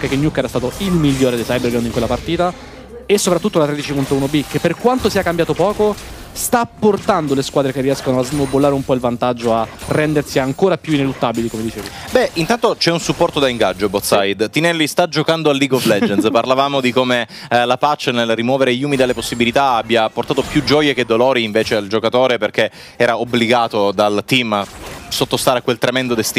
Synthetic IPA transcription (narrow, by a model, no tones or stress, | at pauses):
kɛkːenjukːɛɾast̪aːt̪oilmiʎːoːɾed̪ejsajberɡaniŋkwelːapart̪iːt̪a | esːopɾat̪ːut̪ːolat̪ɾed̪it͡ʃipunt̪ounobikːepːerkwant̪osiːakambjaːt̪opɔːko | st̪apːort̪and̪oleskwaːd̪ɾekerːiɛskonoazmobːolːaːɾeumpɔilvant̪ad͡ʒːoarːɛnd̪ersiaŋkoːɾapjuinelut̪ːaːbilikomed̪it͡ʃeːvi | bɛint̪ant̪ot͡ʃɛunsupːɔrt̪od̪aiŋɡad͡ʒːobɔt̪sajd̪t̪ːinɛlːist̪ad͡ʒokand̪oalːiːɡɔvlɛd͡ʒɛnsparlavaːmod̪ikome | lapat͡ʃːenelrimwɔːveɾejuːmid̪alːeposːibilit̪aabːjaport̪aːt̪opjud͡ʒːɔjek̟ed̪ːolɔːɾiːɱveːt͡ʃeald͡ʒokat̪oːɾeperk̟e | ɛːɾaobliɡaːt̪od̪alt̪ːimasːot̪ːost̪aːɾekwelt̪ɾemɛnd̪od̪est̪i